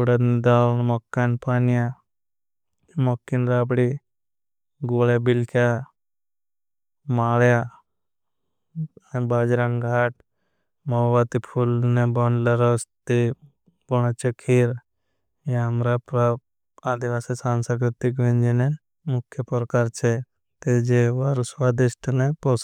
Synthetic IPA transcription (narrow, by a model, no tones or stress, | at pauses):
uɽɐd̪nd̪alnmɔkːanpaːnja | mɔkːinɾaːbɽi | ɡolabilkʰja | maːlja | baːd͡ʒɾãŋɡʱaːʈ̚ | moːʋat̪ipʰulnebɔnlɐɾɔst̪i | bɔñat͡ʃəkʰːiɾ | jeɐmɾapɾa | aːd̪iʋaːsisaːnsəkɾɪt̪ik̬ʋẽnd͡ʒine | mʊkʰjəpɾkaːɾt͡ʃʰe | t̪ed͡ʒeʋaɾswaːd̪ɪsʈʰnepɔs